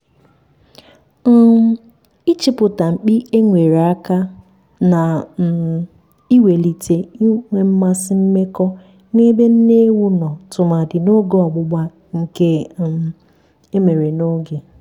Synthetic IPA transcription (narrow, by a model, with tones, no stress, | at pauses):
i˦t͡ʃɪ˦pʊ˨ta˨ŋ͡m̩˨k͡pi˦e˦ŋʷe˨ɾa˦ka˦ | na˨ | i˦we˨li˨te˨i˦ŋʷe˨m̩˦ma˦sɪ˦m̩˦me˦kɔ˦ | ne˦be˦n̩˦ne˦wu˦nɔ˨tʊ˨ma˨dɪ˨no˦ɡo˦ɔ˨ɡ͡bʊ˦ɡ͡ba˦ | ŋ̩˨ke˦ | e˦me˨ɾe˨no˦ɡe˨